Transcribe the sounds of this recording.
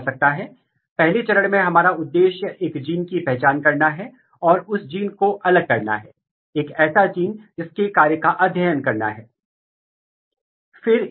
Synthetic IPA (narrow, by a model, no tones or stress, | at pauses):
sɐk̚t̪aɦɛː | pɛɦlet͡ʃɐɾəɽmẽɦɐmaːɾaʊd̪ːeːʃjəeːkd͡ʒiːnkipɛɦt͡ʃaːnkɐɾnaɦɛ | ɔːɾʊsd͡ʒiːnkoʔɐləɡ̚kɐɾna̰ɦɛː | eːkɛːsad͡ʒiːnd͡ʒɪskekaːɾjəkaʔɐd̪ʱjəːjənkɐɾna̰ɦɛː | fɪɾ